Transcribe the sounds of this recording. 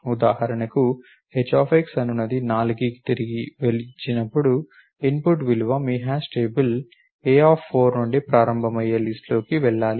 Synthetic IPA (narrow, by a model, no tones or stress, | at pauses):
ud̪aːɦɐɾɐɳɐku | het͡ʃːaːpeksɐnunːɐd̪inaːluɡiːki̥t̪iɾiɡiʋelit͡ʃːinɐpːuɽu | inpuʈʋiluʋɐmiːɦaːsʈeːbul | eːaːpʰːoːɾnuɳɖipɾaːɾɐmbʱɐmɐjːɐlisʈlo̞ːkiʋɛɭːaːli